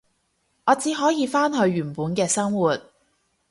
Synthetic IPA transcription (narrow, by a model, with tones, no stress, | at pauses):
ʔɔː˨˧t͡siː˨˥ɦɔː˨˥jiː˨˧faː˥nɦɵ˧ɥɥyː˨˩npuː˨˥nkɛː˧sɐ˥ŋwuː˨t̚